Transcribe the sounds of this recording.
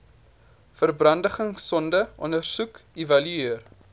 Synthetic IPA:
fərbrɐndəχəŋsɔndəʔɔndərsukevɐlyiər

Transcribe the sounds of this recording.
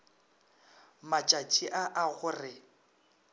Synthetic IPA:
mat͡ʃʼat͡ʃʼiʔaʔaɣʊrɪ

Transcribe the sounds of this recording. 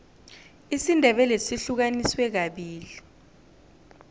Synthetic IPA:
isindʱɛɓɛlesiɬuk̬aniswɛk̬aɓiːli

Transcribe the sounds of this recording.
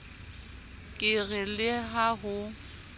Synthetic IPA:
kʼɪɣɪlɪɦaɦʊ

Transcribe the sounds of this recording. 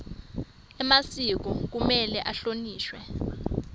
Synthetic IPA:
ɛmasik̬ɔk̬umɛlɛʔaɬoniːʃwɛ

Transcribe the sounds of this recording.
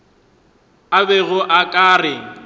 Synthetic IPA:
abɛɣʊʔakʼaːrɪŋ

